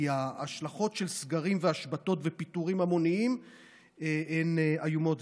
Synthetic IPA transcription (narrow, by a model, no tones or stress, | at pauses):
iaːʃlaχo̞tʃelsɡaʁimveaʃbato̞tvepituʁimamo̞niim | eeneajumot